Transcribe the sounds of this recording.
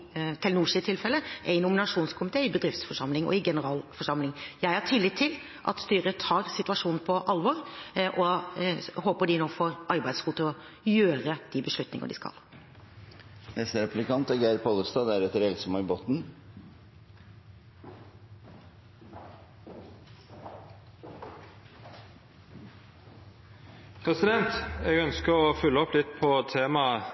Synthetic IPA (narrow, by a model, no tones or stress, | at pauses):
t̪ʰɪlnuːʂiːt̪ʰɪlfɛləʔæɪnʊmɪnɑʂuːnskʰʊmɪt̪ʰeːɪbəd̪ɾɪft̪sfɔʂɑmlɪŋɔ̰ɪɡɛnəɾɑːlfɔʂɑmlɪŋjæɪhɑʈʰiːlɪt̪ʰːɪl | ʔɑ̰t̪st̪yːɾət̪ʰɑːɾsɪt̪ʉɑʂuːnn̩pʰɔʔɑlʋɔɾʔɔ | hoːpəɖɪnoːfoːɾʔɑɾbæɪd̪sɡuːd̪t̪ʰːɪlɔ | jøːɾəd̪̥ɪbəʂɭʉt̪nɪ̰ŋə̰ɖɪ̰skɑ̰l | nɛst̪əɾɛplɪkʰɑnt̪æɾɡæːɾpʰɔləɾst̪ɑːd̪æɾɛt̪ːəɾɛlsɔmɑɪboːt̪n̩ | pʰɾɛsɪd̪ɛnt̪ɛɡœnskəɾɔfʉlːəɔplɪt̪pʰɔt̪ʰeːmɑ